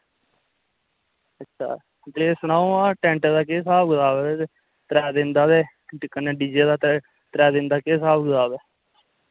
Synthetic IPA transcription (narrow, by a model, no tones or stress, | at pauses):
ətːʃʰa̰ː | t̪eːsənãːõaːʈɛ̃ːɳʈəd̪aːk̬eːsaːbɡəzaːbɛːe | t̪ɾɛːd̪ɪnd̪aːd̪eː | kːəneːɖiːd͡ʒeːd̪aː | t̪ɾɛːd̪ɪ̃nd̪aːkeːsaːbɡəzaːbɛː